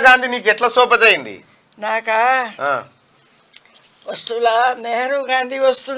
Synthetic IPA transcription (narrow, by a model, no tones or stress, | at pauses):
ɡaːnd̪ʱiniːkɛʈlɐsoːp̬ɐt̪ɐjind̪ḭ | naːkaã | ost̪ulaneɦɾuɡaːnd̪ʱiost̪u